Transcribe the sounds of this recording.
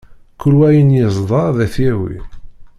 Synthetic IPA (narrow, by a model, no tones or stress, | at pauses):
kːʊɾwæjənjəzˤðˤɑɾðæθæwḭ